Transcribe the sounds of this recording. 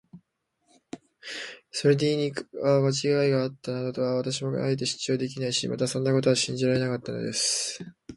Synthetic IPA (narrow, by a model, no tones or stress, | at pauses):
so̞ɾe̞d̪e̞iɲʲikaɡat͡ɕiɡaiɡaːt̪ːanad̪ot̪o̞aβat̪aɕ̬imo̞ɡa̰a̰et̪̬e̞ɕi̥t͡ɕo̞ːd̪e̞k̬ʲinaiɕḭma̰t̪asõ̞nːako̞t̪̬o̞aɕĩɲ̟d͡ʑiɾaɾe̞nakat̪ːano̞̰d̪e̞sɨ̥